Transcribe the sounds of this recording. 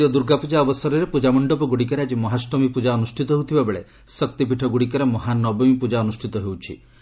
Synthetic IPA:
ijɔd̪uɾɡapud͡ʒaɔbɔsɔɾɔɾepud͡ʒamɔɳɖɔpɔɡuɽikɔɾead͡ʒimɔɦasʈɔmipud͡ʒaɔnusʈʰit̪ɔɦewt̪ʰibabeɭe | sɔk̚t̪ipiʈʰɔɡuɽik̬ɔɾemɔɦanɔbɔmipud͡ʒaɔnusʈʰit̪ɔɦewt͡ʃʰḭ

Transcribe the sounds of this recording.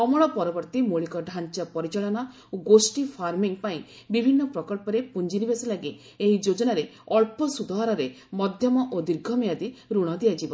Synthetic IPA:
kɔmɔɭɔpɔɾɔbɔɾt̪imoɭikɔɖʱant͡ʃapɔɾit͡ʃaɭɔna | oɡosʈipʰaɾmiŋpaĩ | bibʱinːɔpɾɔkɔlpɔɾepund͡ʒinibesilaɡi | eɦid͡ʒod͡ʒɔnaɾeɔɭpɔsud̪ʱaɦaɾɔɾe | mɔd̪ʱjɔmɔʔod̪iɾɡʱɔmejad̪iɾuɽ̃ɔd̪iad͡ʒibɔ

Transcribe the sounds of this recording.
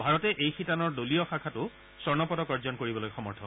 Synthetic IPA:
bʱaɹɔtɛʔejxitanɔɹdoliɔxakʰatʊ | sɔɹnɔpɔdɔkɔɹzɔnkoɹibɔlojxɔmɔɹtʰɔ

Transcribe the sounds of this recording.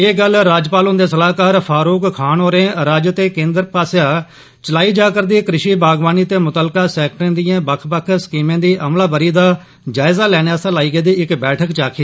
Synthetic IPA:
eːɡəlɾaːd͡ʒpaːlʊ̃nd̪eːsəlaːkaːɾpʰaːɾuːkkʰaːnoːɾẽːɾaːd͡ʒt̪eːkẽːnd̪əɾpaːsjaː | t͡ʃəlaːiːd͡ʒaːkəɾd̪iːkɾɪʃiːbaːɡʋaːniːt̪eːmʊt̪əlkaːsɛːk̚ʈɾãːd̪ijãːbəkʰbəkʰsə̥kiːmẽːd̪iːʔəmlaːbəɾiːd̪aː | d͡ʒaːɪzaːlɛːɽaːsãːlaːiːɡeːd̪iːɪkbɛːʈʰəkt͡ʃaːkʰiː

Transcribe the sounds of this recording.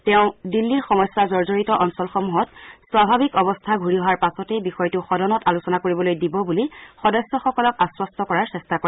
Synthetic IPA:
tɛʊ̃dilːiɹxɔmɔjsːazɔɹzoɹitɔʔɔnsɔlxɔmuɦɔtswabʱabikɔbɔstʰaɡʱuɹiɦɔwaɹpasɔtejbixɔjtʊxɔdɔnɔtalusɔnakoɹibɔlojdibɔbulixɔdɔsːɔxɔkɔlɔkaswɔstɔkɔɹaɹsɛstako

